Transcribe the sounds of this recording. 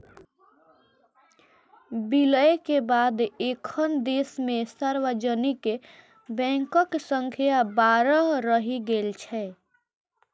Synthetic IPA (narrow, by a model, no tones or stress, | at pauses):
biləekebaːd̪ekʰənd̪esmẽsəɾwəd͡ʒənike | bɛ̃ŋkəksəŋkʰijabaːɾəɾəɦiɡelt͡ʃʰɛ